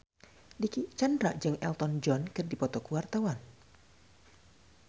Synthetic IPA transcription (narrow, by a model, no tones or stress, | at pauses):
dikit͡ʃandɾaʔd͡ʒɨŋɛ̰lt̪ɔnd͡ʒɔnkɨrdipɔt̪ɔkuwart̪awan